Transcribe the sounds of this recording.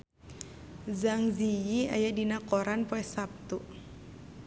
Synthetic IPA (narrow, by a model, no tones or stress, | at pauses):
zaŋzijia̰jadinakɔɾanpɔɛsap̚t̪u